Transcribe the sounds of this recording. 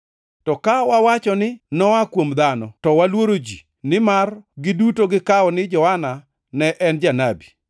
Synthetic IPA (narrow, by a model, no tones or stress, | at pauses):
tɔkawawat͡ʃɔnɪnɔakwomd̪anɔtɔwalwoɾod͡ʒi | nɪmarɡɪdutoɡɪkaɔnɪd͡ʒɔhana | nɛʔɛnd͡ʒanabi